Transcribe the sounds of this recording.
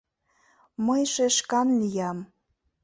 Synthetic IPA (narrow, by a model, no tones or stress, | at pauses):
məjʃeʃkɑnlʲijɑm